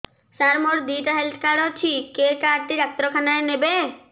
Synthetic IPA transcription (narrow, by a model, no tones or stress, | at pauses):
saɾmoɾd̪iːʈaɦelt̪ʰkaɽɔt͡ʃʰikekaːɾʈ̪iɾak̚t̪ɾɔkʰanaenebe